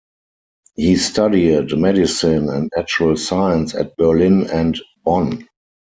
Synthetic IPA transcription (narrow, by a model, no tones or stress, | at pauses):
hiːstadidmɛdɪsĩnɛ̃ntnæt͡ʃuəlsaɪə̃nsæ̰t̚bɜ˞lɪ̃nɛ̃ntb̥ɔ̃n